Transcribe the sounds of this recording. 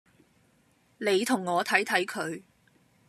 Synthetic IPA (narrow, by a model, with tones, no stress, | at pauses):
ne˨˧jt̪ʰʊ˨˩ŋːɔː˨˧t̪ʰɐ˨˥jt̪ʰɐ˨˥jkʰɵ˨˧ɥ